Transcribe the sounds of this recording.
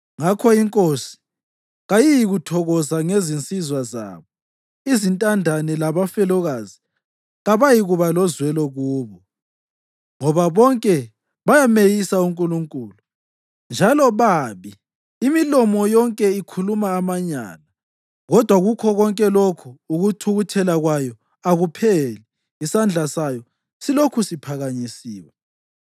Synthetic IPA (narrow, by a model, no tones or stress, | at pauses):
ŋakʰɔiŋkʼosi̥ | ɣajijiɣutʰɔɣɔzaŋezint͡sʼizwaza̰ːβɔ | izintʼandʱanɛlaβafɛlɔɣazi | ɣaβajiɣuβalɔzwɛlɔɣuːβɔ | ŋɔβaβɔŋkʼɛ | βajamejisauŋkʼuluŋkʼuːlu | nd͡ʒʱalɔβaːβiː | milɔmɔjɔŋkʼɛikʰulumaːmaɲa̰ːna | ɣɔd̥ʱwaɣukʰɔɣɔŋkʼɛlokʰuːɣutʰuɣutʰɛlaɣwajɔ | aɣupʰɛlɛ | isand͡ɮʱasajɔ | silokʰusipʰaɣaɲisiːwɛ